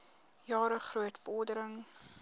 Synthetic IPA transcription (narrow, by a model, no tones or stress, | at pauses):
jɑːɾəχruətbɔdəɾəŋ